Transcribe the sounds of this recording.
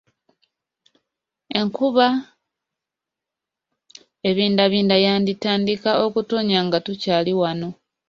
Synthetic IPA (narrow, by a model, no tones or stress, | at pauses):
e̞ŋkuβa | e̞βiːndaβiːndajaːnditaːndikao̞kuto̞ɲaŋɡatucaːliwano̞